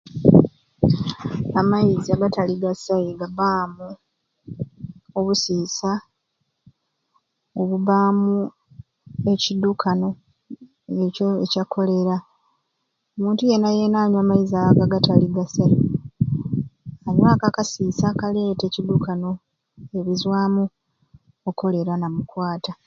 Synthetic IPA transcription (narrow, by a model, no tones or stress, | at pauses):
amajiziaɡataliɡasajiɡabaːmu | oβusiːsa | oβuβaːmu | e̞cidukʰano̞ | ecoecakʰo̞le̞ɾa | omuːntuje̞naje̞naːɲwaːmaizaaɡaɡataliɡasali | aɲwaːkakasiːsakale̞ːte̞ːcid̪ukano̞ | eβizwaːmu | oko̞le̞ɾanamukwaːta